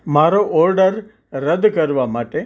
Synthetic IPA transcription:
maːɾoʔoːɾɖɐɾ | ɾɐd̪ːkɐɾuʋamaːʈe

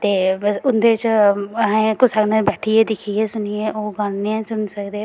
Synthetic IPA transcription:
t̪eːbəsʊnd̪eːt͡ʃɦɛ̃kʊsəknebɛːʈʰieːd̪ɪkʰieːsʊnijeʔoːɡanneɛ̃sʊnsəkd̪eː

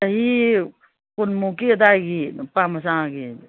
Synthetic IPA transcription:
ɐɦi | kunmũːkid̪aɡipaːmɐsãːɡi

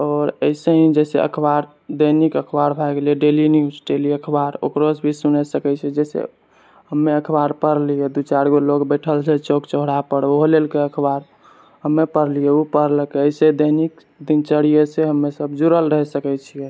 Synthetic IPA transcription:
ɔːɾəɪseɦĩd͡ʒɛsḛə̰kʰbaɾ | d̪ənikəkʰbaɾbʱajɡelijeɖeliniuɖeliəkʰbaɾo̰kɾosbʱisunɛsəkɛt͡ʃʰɛd͡ʒɛsḛ | ɦəmːeəkʰbaɾpəɾlijɛd̪ut͡ʃaɾɡolokbeʈʰəlt͡ʃʰɛt͡ʃokt͡ʃəɦɽapəɽoɦlelkeəkʰbaɾ | ɦəmːepəɾlijɛupəɾlkeəɪsed̪ənik | d̪int͡ʃəɽ̤ijeseɦəmːesəbd͡ʒuɾəlɾəɦɛsəkɛt͡ʃʰijɛ

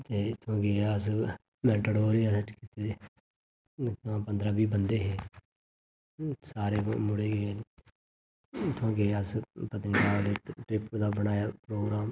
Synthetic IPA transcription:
t̪eːt̪ʰʊãːkeəs | mɛ̃ːɳʈɽoːɾiasət͡ʃkit̪e | kãːpənd̪ɾaːbiːbənd̪eːɦeː | saːɾeːmʊɽeːɡeː | t̪ʰãːkeəspət̪ənd͡ʒaːneːʈɾɪpd̪aːbəñaːjaːpɾoːɡɾaːm

